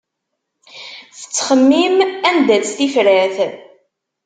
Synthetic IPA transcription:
θə̥t͡sːχəmːimænd̪æθifɾæθ

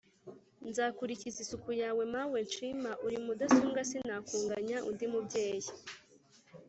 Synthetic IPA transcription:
nzaːkuɾicizisukujaːwe̞mawe̞nt͡ʃimaʔuɾimudasuːŋɡasinaːkuːŋɡaɲaʔundimubɟe̞ːji

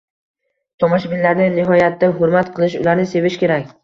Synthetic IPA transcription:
t̪ʰomɒʃbɪnlaɾnɪnɪɦɒjat̪ʰːaɦʊɾmat̪qʰɨlˠɪʃʊ̰laɾnɪse̞vɪʃkʲe̞ɾakʲ

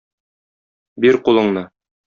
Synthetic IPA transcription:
biɾqulˠɤ̆ɴnɤ

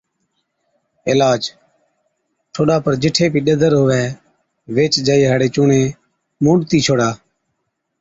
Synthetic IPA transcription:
ɪlaːd͡ʒ | ʈʰoːɗaːpəɾd͡ʒɪʈʰeːpiːɗəd̪ʱəɾɦoːʋɛː | ʋeːt͡ʃd͡ʒaːiːɦaːɽeːt͡ʃʊːɳẽː | mũːɖt̪iːt͡ʃʰoːɽaː

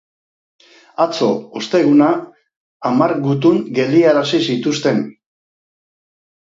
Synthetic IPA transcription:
at͡so̞ost̪e̞ɣ̞unaː | maɾɣut̪uŋɡe̞liaɾasisit̪ust̪e̞n

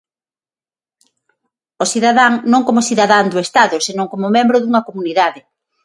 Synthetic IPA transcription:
osiðaðaŋnõŋkomosiðaðand̪oest̪aðʊsenõŋkomʊmẽmbɾʊðuŋɐkomuniðaðɪ

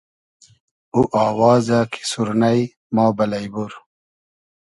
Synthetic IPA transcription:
uʔɑːwɑːzakʰi̥suɾnaj | mɑːbɐlajbuɾ

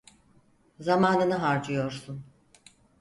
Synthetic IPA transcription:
zamaːnɯnɯɦaɾd͡ʒɯjo̞ɾsun

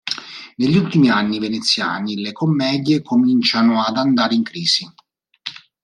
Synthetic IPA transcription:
neʎːult̪imianːivenet̪sːja̰ːnilekomːɛːd̪jekomint͡ʃanoad̪and̪aːɾeiŋkɾiːsi

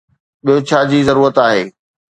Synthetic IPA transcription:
ɓijot͡ɕʰaːd͡ʑiːzɐɾuːɾət̪aːɦeː

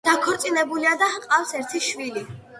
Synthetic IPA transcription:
d̪̥akʰɔɾt̪sʼinɛbuliad̪aqʼafsɛɾt̪ʰiʃvili

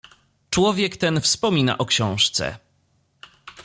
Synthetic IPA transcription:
t͡ʂwɔvʲjɛkt̪ɛnfspɔmʲina̰ʔɔkɕɔ̃w̃ʂt̪sɛ̰

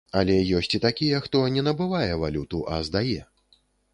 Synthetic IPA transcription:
ɐlʲɛjɔsʲt͡sʲit̪akʲijɛxt̪ɔnʲɛnɐbɨvajɛvalʲut̪uʔɐ̰zd̪ajɛ

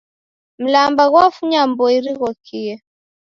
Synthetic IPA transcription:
m̩lambaɣwafuɲambɔiɾiɣɔkʰiɛ

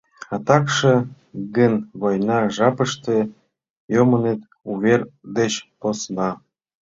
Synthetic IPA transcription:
ɑt̪ɑkʃĕ | ɡənβojnɑʒɑpəʃt̪ĕ | jomənet̪ | uβerd̪et͡ɕposnɑ

